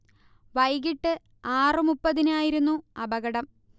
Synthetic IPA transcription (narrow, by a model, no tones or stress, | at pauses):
ʋɐjɣiʈːɨ | aːrɨmupːɐðinaːjiɾunːuɐbɐɣɐɽɐm